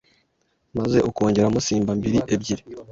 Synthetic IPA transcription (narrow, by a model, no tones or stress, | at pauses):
maze̞ʔokuoːɲɟeɾamusiːmbambiɾiʔebɟiɾi